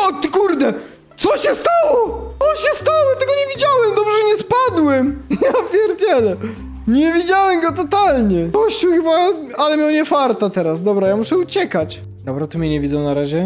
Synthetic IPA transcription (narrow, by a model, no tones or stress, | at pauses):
ɔt̪kuɾd̪ɛ | t̪sɔɕɛst̪awɔɔɕɛst̪awɔt̪ɛɡɔɲɛvʲid͡ʑawɛmd̪ɔbʐɛɲɛspad̪wɛmjavʲjɛɾd͡ʑɛlɛ | ɲɛvʲid͡ʑawɛmɡɔt̪ɔt̪alɲɛkɔɕt͡ɕuwxɘbaalɛmʲjawɲɛfaɾt̪at̪ɛɾasd̪ɔbɾajamuʂɛut͡ɕɛkat͡ɕ | d̪ɔbɾat̪ɔmʲɛɲɛvʲidzɔ̃w̃naɾaʑɛ